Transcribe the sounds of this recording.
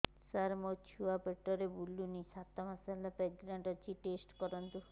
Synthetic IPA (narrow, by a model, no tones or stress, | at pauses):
saɾmot͡ʃʰuapeʈːɔɾebulːunisat̪ːɔmasalapɛd͡ʒɡɾaɳʈɔɾt͡ʃʰiʈesʈkɔɾɔnt̪u